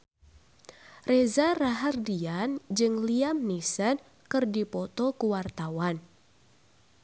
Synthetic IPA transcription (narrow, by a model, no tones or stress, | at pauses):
rezaraɦardiand͡ʒɨŋliamnisən | kɨrdipɔt̪ɔkuwart̪awan